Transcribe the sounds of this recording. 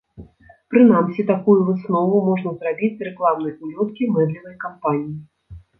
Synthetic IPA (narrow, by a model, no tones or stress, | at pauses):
pɾɨn̪amsʲit̪akujuvɨsnɔvumɔʐnɐzrabʲit͡sʲrɛklˠamn̪ɐjulʲɔt̪̚kʲimɛd̪lʲivɐjkampanʲiji